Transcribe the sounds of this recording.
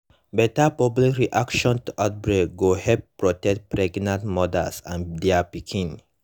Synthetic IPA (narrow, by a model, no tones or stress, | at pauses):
bɛtapɔblikɹiʔakʃɔ̃ntuʔat̚bɹeɡohɛd̚pɹɔtɛk̚t̚pɹɛɡnãntmɔdə̰lsãndɛapikʰĩn